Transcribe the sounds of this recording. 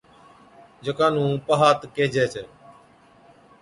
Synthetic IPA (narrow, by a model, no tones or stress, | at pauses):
d͡ʒəkaːnũːpəɦaːt̪keːd͡ʒeːt͡ʃʰeː